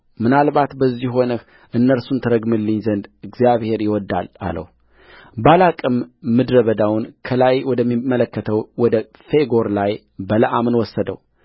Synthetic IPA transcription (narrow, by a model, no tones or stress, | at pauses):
mɨnalbat̪bəzːihɦo̞nəh | ʔɨnːəɾsunt̪ʰɨɾəɡmɨlːɨɲzənd̪ɨɡzijaβhe̞ɾjɪwɔd̪ːa̰la̰lə̰w | balakʼɨmːɨd̪ɾəβəd̪awnkʰəlajwɔd̪əmːimːələkːət̪ʰəwwɔd̪ə | fe̞ɡo̞ɾlaj | bələʔamnwɔsːəd̪ə̰w